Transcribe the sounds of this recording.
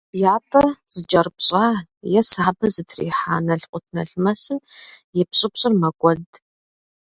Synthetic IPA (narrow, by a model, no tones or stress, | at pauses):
b̥jaːtʼɐz̥ɨd͡ʒʼɐrpɕʼaːjɛsaːbɐzɨtʰrḭːħaːnɐɬqʷʼʊtʰnɐɬmɐsɨmjɛpɕʼɪpʷɕʼɪrmɐkʷʼɔɮdʰʼ